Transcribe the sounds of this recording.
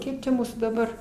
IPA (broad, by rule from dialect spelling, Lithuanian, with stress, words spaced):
ˈkʲiɛk t͡ʃʲɛ ˈmuːsuː dɐˈbɐr